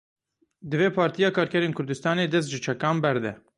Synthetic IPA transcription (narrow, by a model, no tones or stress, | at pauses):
d̪ɨveːpʰɑːɾt̪ijɑːkʰɑːɾkʰɛɾeːnkʰʊɾd̪ɨst̪ɑːneːd̪ɛs̬t̪ʒɨt͡ʃʰɛkɑːmbɛɾd̪ɛ̰